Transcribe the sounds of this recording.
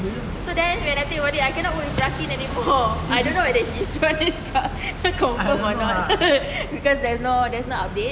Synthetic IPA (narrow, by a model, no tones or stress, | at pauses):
sodɛ̃nwɛ̃najt̪ĩkwadiajkɛ̃nɔʔ̚wuĩbɹakĩnɛnimɔajdõnːowɛdɛhiswɛ̃niska | kɔ̃məmɔnɔt̚ | bikɔsdɛsnodɛsnɔap̚det̚